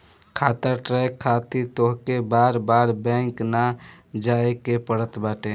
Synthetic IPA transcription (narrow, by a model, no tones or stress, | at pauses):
kʰaːt̪əʈɾɛkʰːat̪it̪oɦkebaːɾbaːɾbɛ̃ŋknad͡ʒaekepəɽət̪baːʈe